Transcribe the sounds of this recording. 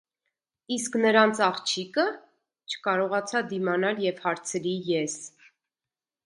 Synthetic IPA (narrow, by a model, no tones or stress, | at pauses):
isknəɾɑnt͡sʰɑχt͡ʃʰikə | t͡ʃʰə̥kɑɾɔʁɑt͡sʰɑd̪imɑnɑljɛvhɑɾt͡sʰɾijɛs